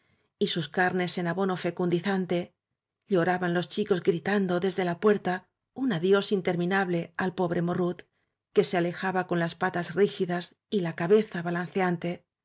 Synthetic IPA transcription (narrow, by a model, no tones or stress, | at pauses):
isuskaɾne̞se̞naβo̞no̞fe̞kund̪iθant̪e̞ | ʎo̞ɾaβanlo̞st͡ʃiko̞zɡɾit̪and̪o̞ðe̞zðe̞lapwe̞ɾt̪a | unaðjo̞sint̪e̞ɾmĩnaβle̞alpo̞βɾe̞mo̞rut̪ | ke̞seale̞xaβako̞nlaspat̪azrixiðas | ilakaβe̞θaβalan̟θeant̪e̞